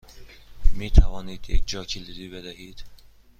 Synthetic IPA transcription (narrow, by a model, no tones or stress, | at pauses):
mit̪ʰævɒːniːd̪jḛkd͡ʒɒːcʰilizibed̪æɦid̪̥